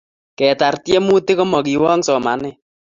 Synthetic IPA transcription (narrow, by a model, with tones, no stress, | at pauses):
kɛ˨ta˨rtjɛ˦mu˦te˦kɔ˦mɔ˨ki˨wɔ˦ŋsɔ˨ma˨nɪ˦